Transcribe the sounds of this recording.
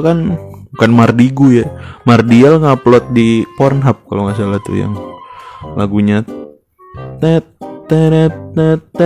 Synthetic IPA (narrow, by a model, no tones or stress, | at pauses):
kanbukanmardiɡujamardialŋaplɔt̪̚dipɔrnɦap̚ka̰loŋas̬alaht̪ṵja̰ŋ | la̰ɡuɲa | t̪ɛt̪ɛnɛt̪ɛt̪ɛ